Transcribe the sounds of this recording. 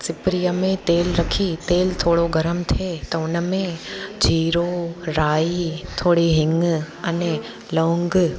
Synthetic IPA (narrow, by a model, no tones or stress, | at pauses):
sɪpɾijəmẽt̪eːlɾɐkʰit̪eːlt̪ʰoːɽoɡɐɾəmt̪ʰeːt̪ɐʊnmẽd͡ʒiːɾoɾaːit̪ʰoːɽiɦɪ̃ŋɡ | ɐne | lõːŋɡ